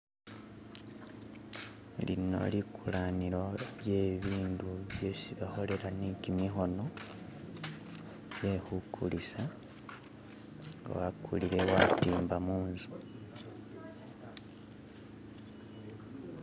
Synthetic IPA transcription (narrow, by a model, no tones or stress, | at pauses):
lḭno̞̰likʰulaniɾo̞je̞ːβiːnduβjesiβaxo̞le̞ɾanikimixo̞no̞ | je̞hukʰulisa | ŋɡa̰wakʰṵliɾe̞watiːmbamuːnzu